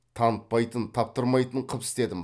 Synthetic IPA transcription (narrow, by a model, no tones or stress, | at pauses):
t̪ʰɑnt̪̚pɑjt̪ənt̪ʰɑp̚t̪əɾmɑjt̪əɴqʰəpɪst̪e̞d̪ɪm